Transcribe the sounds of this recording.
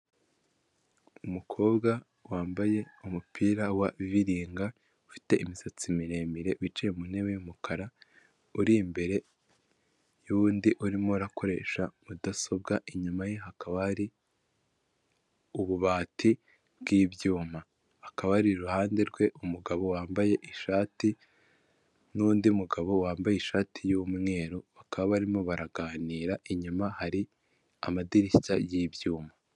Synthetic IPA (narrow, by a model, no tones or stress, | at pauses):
umukʰo̞ːbɡa | waːmbaje̞umupʰiːɾawaviɾiːŋɡa | ufi̥te̞ʔimisat͡simiɾe̞ːmiɾe̞βit͡ʃejemune̞βejumukʰaɾa | uɾimbe̞ɾe̞ | juβuːndiʔuɾimoɾako̞ɾe̞ʃamudaso̞bɡaʔiɲumajeɦakaβaɾi | uβuβaːtʰi | bɡiːbjuːma | hakaβaɾiɾuhaːnde̞ɾɡwe̞ʔumuɡaβo̞waːmbaje̞ʔiʃaːti | nuːndiumuɡaβo̞waːmbajeiʃaːtʰijuːmŋe̞ːɾoβakaβaβaɾimo̞βaɾaɡaːniːɾaʔiɲumahaɾi | a̰madiɾitajiːbjuːma